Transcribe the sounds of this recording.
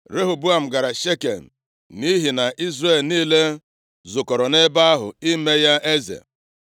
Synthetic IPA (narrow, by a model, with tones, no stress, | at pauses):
ɾe˦ɦo˨bu˦a˨m̩˨ɡa˨ɾa˨ʃe˦ke˨m̩˨ | mi˦ɦi˨na˨ʔi˦zre˦˨lniː˦le˦ | zʊ˨kɔ˨ɾɔ˨ne˦ba˦a˦ɦʊ̰˨i˦me˦ja˦ʔe˦zḛ˨